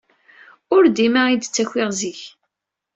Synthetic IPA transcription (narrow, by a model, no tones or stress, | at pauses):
ʊɾd̪imaid̪t͡sːæçʷɪʁziç